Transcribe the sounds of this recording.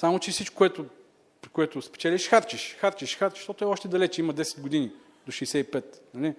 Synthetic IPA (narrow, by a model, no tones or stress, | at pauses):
samot͡ʃɛfsit͡ʃkʊkoɛt̪ʊ | pɾikoɛt̪ʊspɛ̥t͡ʃɛliʃxaɾt͡ʃiʃxaɾt͡ʃiʃxaɾt͡ʃi̥ʃt̪ɔt̪oɛɔʃt̪ɛd̪ɐlɛt͡ʃimɐd̪ɛsɛ̥d̪ɡʊd̪ini | d̪oʃijsɛipɛt̪nɐli